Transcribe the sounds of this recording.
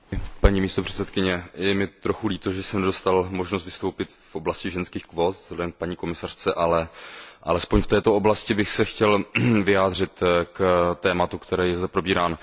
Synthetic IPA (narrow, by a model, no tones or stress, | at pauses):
paɲiːmiːst̪o̞pr̝̥ɛ̥t̪sɛt̪kɪɲɛjɛmɪt̪ɾoxuliːt̪oʒɛsɛmnɛdo̞st̪almo̞ʒnost̪vɪst̪o̞wpɪt̪fʔoblascɪʒɛnskiːxkvoːt̪zlɛdɛmk̚paɲiːko̞mɪsar̝̥t͡sɛʔalɛʔalɛspo̞ɲft̪ɛːt̪o̞oblascɪbɪxsɛxcɛlvɪjaːd̪r̝ɪt̪kt̪ɛːmat̪ukt̪ɛɾɛːjɛzd̪ɛpɾo̞biːɾaːn